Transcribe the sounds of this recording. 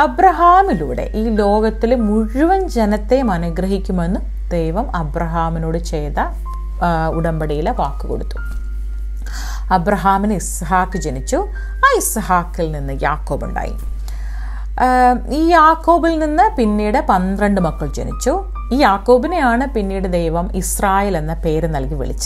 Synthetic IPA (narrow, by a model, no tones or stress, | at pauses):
ɐbɾɐɦaːmiluːɽe̞̰ʔiːlo̞ːɡɐt̪ːilmuɻuʋɐnd͡ʑenɐt̪ːe̞mɐnɐɡrɐɦikʲːumenːɨ | d̪̥ejʋɐmɐbrɐɦaːmino̞ːɽɨt͡ɕejt̪ɐ | uɽɐmbɐɽijileʋaːkːɨko̞̰ɽut̪ːu̥ | ɐbɾɐɦaːminɨis | ɦaːkːɨt͡ɕenit͡ɕːu | aːishaːkːilninːɨja̰ːkːo̞ːbṵɳɖa̰ːjṵm | iːjaːkːo̞ːbilninːɨpinːiːɽɨpɐnd̪rɐɳɖɨmɐkːɐɭd͡ʑenḭt͡ɕːu | iːjaːkːo̞ːbinejaːɳɨpinːiːɽɨd̪ejʋɐmisraːjeːlenːɐpe̞ːɾɨnɐlkiʋḭɭit͡ɕːɐ̥